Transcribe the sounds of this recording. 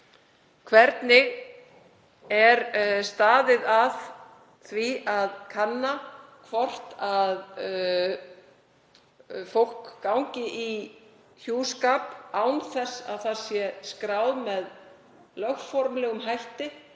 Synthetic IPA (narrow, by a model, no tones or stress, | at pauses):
kʰvɛɾt̪nɪɣ | ɛɾst̪aːðɪðað | θviaðkʰanːa | kʰvɔr̥t̪að | fowl̥kːawɲcɪʔi | çjuːskaːpawnθɛsːa̰ðθaɾ̥sjɛskɾaːwðmɛð | lœxfɔɾmlɛɣʏmɦajht̪ɪ